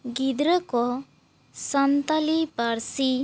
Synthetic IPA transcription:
ɡid̪ɾəkɔ | sant̪alipaɾsi

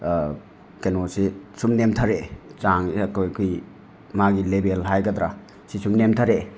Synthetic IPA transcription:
kenosisumnemtʰaɾet͡ʃaŋiɐtojkʰuj | maɡilebelɦajɡɐdɾa | sisumnemtʰaɾe

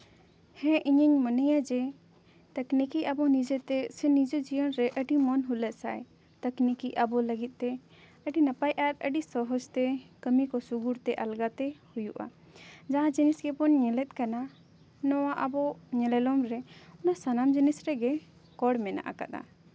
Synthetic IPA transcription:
hɛ̃ʔiɲəɲmənəjad͡ʒɛ | t̪əknikiabɔnid͡ʒɛt̪ɛsɛnid͡ʒɔd͡ʒijənɾɛʔəɖimɔnɦulət̪sa̰j | t̪əknikiabɔləɡit̪̚ˀt̪ɛ | əɖinapajʔaɾə̰ɖisɔɦɔd͡ʒt̪ɛkəmikɔsuɡuɾt̪ɛʔalɡat̪ɛhujuʔa̰ | d͡ʒaãd͡ʒinisɡɛpɔnɲɛlɛt̪̚kana | nɔwaʔabɔɲɛlɛlɔmɾɛɔnasanamd͡ʒinisɾɛɡɛ | kɔɽmɛna̰ʔa̰ka̰ʔ̪a̰

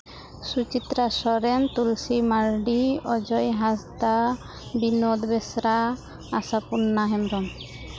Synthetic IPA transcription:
sut͡ɕit̪ːɾaʃɔɾent̪ulsimaɾɖiɔd͡ʑɔjɦasd̪a | binod̪besɾa | asapunːaɦemɾɔn

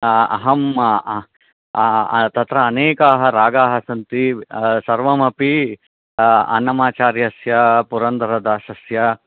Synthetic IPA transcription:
ɐ̰ɦɐm | t̪ɐt̪ɾɐːneːkaːɦɐɾaːɡaːɦɐsɐnt̪isɐɾʋɐmɐpi | ɐ̰nɐmaːt͡ʃaːɾjɐɐsjɐpuɾɐnd̪ɐɾɐd̪aːʃɐsjɐ

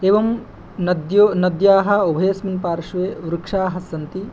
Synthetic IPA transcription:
eːʋɐm | nɐd̪jonɐd̪jaːɦɐ̆ubʱɐjɐsmɐnpaːɾʂʋeːʋɾukʂaːɦɐsɐnt̪i

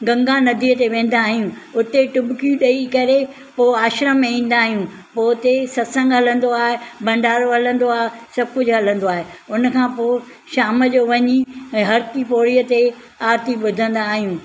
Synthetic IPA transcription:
ɡɐ̃ŋɡãnɐd̪ʱiːət̪eʋẽːn̆d̪aːɦijũ | ʊt̪eʈʊbkjũɗɐikɐɾe | poːaːʃɾəmẽĩːn̆d̪aːɦijũ | poːt̪esɐsə̃ŋɡɦɐlə̃nd̪oaːɦebɐ̃ɳɖaːɾoɦɐlə̃nd̪oaːɦesɐb̚ʱkʊd͡ʑʱɦɐlə̃nd̪oaːɦeʊnkʰãːpoː | ʃaːməd͡ʑoʋɐɲĩɦɐɾt̪ipoːɽijət̪e | aːɾt̪iɓʊd̪ʱə̃nd̪aːɦijũː

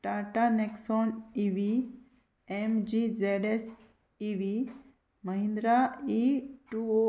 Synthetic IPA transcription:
ʈaʈaneksɔniʋi | emd͡ʒid͡ʒeɖes | iʋi | məɦĩnd̪ɾaiʈuo

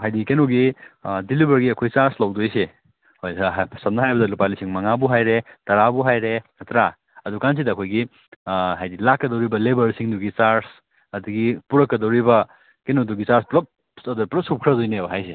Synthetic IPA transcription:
ɦajdikenoɡidilibɐɾɡiɐkʰojt͡ʃaɾslɐwdojse | hojsɐsɐm̚nɐɦajbɐdɐlupalisiŋmɐŋabuɦajɾetɐɾabuɦajɾeɐt̪ɾa | ɐdukans̬idɐːkʰojɡi | ɦajdilakːɐdɐwɾibɐlebɐɾsiŋduɡit͡ʃaɾs | ɐduɡipuɾɐkːɐdɐwɾibɐ | kenoduɡit͡ʃaɾsplɐp̚ | sɐdupɾɐp̚sup̚kʰɾɐdojnebɦajse

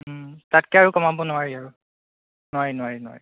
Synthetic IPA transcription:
tatkɛaɹukɔmabɔnʊwaɹiaɹu | nʊwaɹinʊwaɹinʊwa̰ɹi

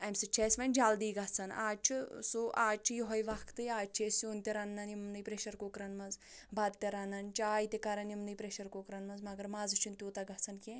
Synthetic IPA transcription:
ɐmsɨt͡ʃʰeːsʋɐnʲd͡ʒaːld̪iːɡɐt͡sʰɐna̰ːt͡ʃʰisoʔaːt͡ʃʰijoɦɐjʋɐkʰt̪ɨjaːt͡ʃʰesʲunt̪ʲiɾɐnːɐnimnɨjpɾeʃɐɾkokɾɐnmɐnz | bɐd̪t̪ʲɐɾɐnɐnt͡ʃaːjt̪ʲekɐɾɐnjimnɨjpɾeʃɐɾkokɾɐnmɐnzmɐɡɐɾmaːzɨt͡ʃʰunt̪ʲoːt̪ɐɡɐt͡sʰɐnkʲẽ

